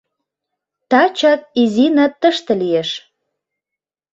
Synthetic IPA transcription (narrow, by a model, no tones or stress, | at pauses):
t̪ɑt͡ɕɑt̪̚izinɑt̪əʃt̪ə̆lijeʃ